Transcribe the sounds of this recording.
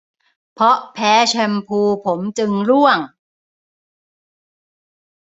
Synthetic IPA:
pʰɔ˦˥ʔpʰɛː˦˥t͡ɕʰa˧mpʰuː˧pʰo˩˦mt͡ɕɯ˧ŋɾu˥˩əŋ

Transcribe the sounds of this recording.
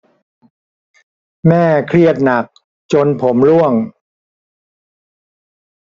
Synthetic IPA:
mɛː˥˩kʰɾi˥˩ət̪̚na˨˩k̚ | t͡ɕo˧npʰo˩˦mlu˥˩əŋ

